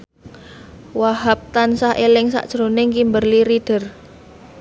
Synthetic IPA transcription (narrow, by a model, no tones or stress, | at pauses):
waɦap̚t̪ansahelɪŋsa̰ʔd̥ʒ̥ɾonɪŋkimbərliɾid̥ə̤r